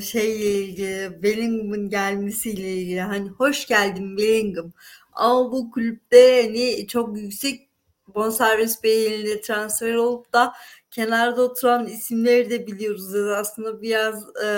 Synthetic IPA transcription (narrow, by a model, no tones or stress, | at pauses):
ʃejlʲeilʲɟilʲɪvelʲiŋɡɯmɯnɟælʲmesijlʲeilʲɟilʲiɦaniho̞ʃɟælʲd̪imvelʲiŋɡɯm | a̰mabukʰylʲyp̚d̪ɛhanit͡ʃʰo̞kjycsɛc̚ | bo̞nsæɾvisbejenind̪ʲɛt̪ʰɾansfeɾo̞lˠup̚d̪acʰe̞naɾd̪aot̪ʰuɾanisimlʲeɾid̪ɛbilʲijo̞ɾuzjed̪aslˠɯnd̪abiɾaz